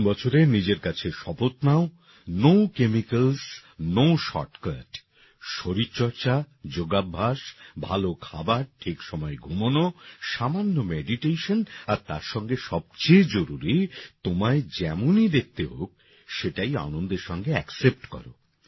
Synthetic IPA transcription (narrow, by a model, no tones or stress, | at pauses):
bɔt͡ɕʰoɾenid͡ʑeɾkat͡ɕʰeʃɔpot̪nao | nowkemikalsnowʃɔ̰ɾʈklaɖ | ʃoɾitːt͡ɕɔɾt͡ɕa | d͡ʑoɡabʱːaʃbʱalokʰa̰baɾʈʰikʃɔmɔeɡʱumonoʃamanːomeɖiʈejʃonaɾt̪aɾʃɔŋɡeʃɔb̚t͡ɕejd͡ʑoɾuɾit̪omaed͡ʑɛmonid̪ek̚ʰt̪eɦok̚ | ʃeʈaja̰nond̪eɾʃɔŋɡeɛksep̚ʈkɔ̰ɾo̰